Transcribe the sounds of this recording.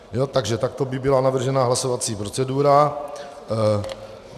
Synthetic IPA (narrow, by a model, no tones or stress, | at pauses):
jo̞t̪aɡʒɛt̪ak̚t̪o̞bɪbɪlanavr̩ʒɛnaɦlaso̞vat͡siːpɾo̞t͡sɛduːɾa